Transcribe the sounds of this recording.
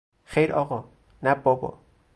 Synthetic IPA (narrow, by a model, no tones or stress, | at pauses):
xejɾɒːɣɒ | næbɒbɒ̰